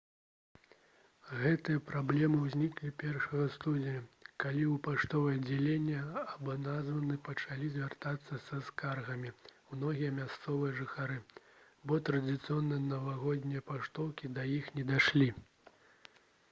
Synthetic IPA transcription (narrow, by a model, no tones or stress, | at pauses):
ɣɛt̪ɨjɐpɾablʲɛmɨwzʲnʲiklʲipʲɛrʂɐɣɐst̪ud͡zʲejɐkalʲiwpaʂt̪ɔvɐjɐd͡zʲɛlʲenʲːɐɐbɔnazvɐnɨpɐt͡ʂalʲizʲvʲart̪at̪sːɐsɐskarɣɐmʲimnɔɣʲijɐmʲast̪sɔvɨjɐʐɨxaɾɨ | bɔt̪ɾɐd̪ɨt̪sɨjɔnːɐjnɐvaɣɔd̪ʲnʲijɐpaʂt̪ɔwkʲid̪ɐjixnʲɛd̪aʂlʲi